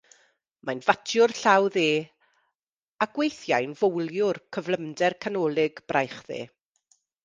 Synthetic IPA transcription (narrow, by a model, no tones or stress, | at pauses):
majnvatʰjʊrɬawðeː | aɡ̥wejθjajnvowlˠjʊrkʰəvlˠəmdɛrkʰanɔːlˠɪɡbrajχðḛː